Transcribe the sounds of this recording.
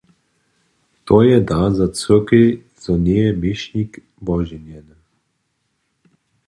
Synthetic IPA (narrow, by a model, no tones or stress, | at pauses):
t̪oːjɛd̪azat͡s̪əkij | z̥ɔneɛmeʃnik | bɔʒɛnjɛn